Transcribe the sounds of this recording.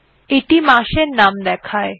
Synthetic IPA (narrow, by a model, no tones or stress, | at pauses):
eʈimaʃeɾnamd̪ɛkʰae